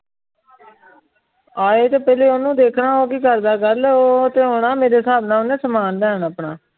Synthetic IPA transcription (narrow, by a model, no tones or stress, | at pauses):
aːeːt̪eːpɛːleːoːnũːd̪eːkʰnaːoːkikəɾd̪aːɡəɾloːt̪eːɦoːɽaːmeːɾeːsaːbnãːʊnẽːsəmaːnd̪ɛːnəːpɳaː